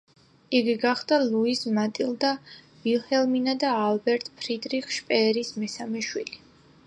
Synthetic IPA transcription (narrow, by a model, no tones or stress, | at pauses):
iɡiɡaχd̪̥aluismat̪ʼilˠd̪a | vilˠhɛlminad̪aːlbɛɾt̪ʼpʰɾid̪ɾiχʃpʼɛːɾismɛsamɛʃwili